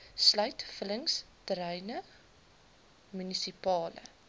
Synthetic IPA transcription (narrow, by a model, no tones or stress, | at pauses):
slœɥtfələŋstəɾɛjnə | mynisipɑːlə̰